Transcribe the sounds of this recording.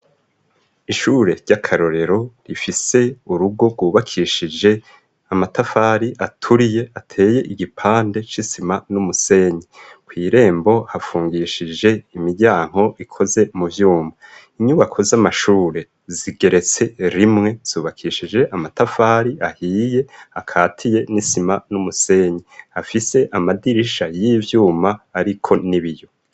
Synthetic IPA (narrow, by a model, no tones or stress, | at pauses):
iʃuːɾe̞ɾɟakʰaɾo̞ɾe̞ɾo̞ɾifise̞uɾuɡo̞ɡwuːβakʰiʃid͡ʒe̞ | amatafaːɾiʔatʰuɾije̞ʔatʰe̞ːje̞ʔiɡipʰaːnde̞t͡ʃisimanumuse̞ɲikwiːɾe̞ːmbo̞hafuːŋɡiʃid͡ʒe̞imiɟaːŋ̥ho̞ʔikʰo̞ze̞muvjuːmaiɲuβakʰo̞zamaʃuːɾe̞ | ziɡ̥e̞ɾe̞t͡se̞ɾimŋe̞z̥uːβakʰiʃid͡ʒe̞ʔamatafaːɾiahiːje̞akʰaːtʰije̞nisimanumuse̞ɲiafise̞ʔamadiɾiʃajivjuːmaːɾikʰo̞niβijo̞